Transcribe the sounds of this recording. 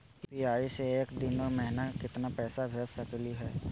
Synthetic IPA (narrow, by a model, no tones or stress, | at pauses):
piaːiseeːkd̪ɪnɔːɾmɛɦnakɪt̪napɛːsabʱeːd͡ʒsɐkliɦɛː